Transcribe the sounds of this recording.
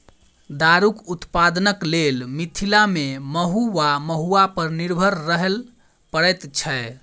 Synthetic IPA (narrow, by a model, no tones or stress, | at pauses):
d̪aɾukut̪pad̪ənəklelmit̪ʰilameməɦuʋaməɦuapəɾniɾbʱəɾːəɦəl | pəɽɛt̪t͡ʃʰɛ